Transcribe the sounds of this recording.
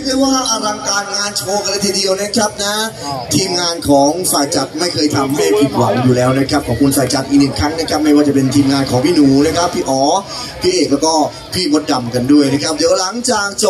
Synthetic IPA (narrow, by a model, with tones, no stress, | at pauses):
a˥˩kʰaː˧˩jwaː˥˩ʔa˧ɾa˧ŋkaː˧nŋaː˧nt͡ɕʰoː˧ka˧la˧jt̪ʰiː˧di˧əwna˦˥kʰɾa˦˥p̚na˦˥ | t̪ʰiː˧mŋaː˧nkʰɔː˩˦ŋsaː˨˩jt͡ɕa˨˩t̪̚ma˥˩jkʰɤː˧jt̪ʰa˧mmeː˥˩pʰi˨˩t̪̚wa˨˩˦ŋjuː˨˩lɛː˦˥wna˦˥kʰɾa˦˥p̚kʰɔː˩˦˥kʰu˧nsaː˨˩jt͡ɕa˨˩t̪̚ʔiː˨˩nɯ˨˩ŋkʰɾa˦˥ŋna˦˥˩kʰa˦˥p̚ma˥˩jwaː˥˩t͡ɕa˨˩pe˧nt̪ʰiː˧mŋaː˧nkʰɔː˩˦ŋpʰiː˥˩nuː˩˦na˦˥kʰa˦˥pʰːiː˥˩ʔɔː˩˦ | pʰiː˥˩ʔeː˨˩k̚lɛː˦˥wkɔː˥˩ | pʰiː˥˩mo˦˥t̪̚da˨˩mka˧ndu˥˩əjna˦˥kʰa˦˥p̚d̪i˩˦wla˨˩˦ŋt͡ɕaː˨˩k̚t͡ɕo˨˩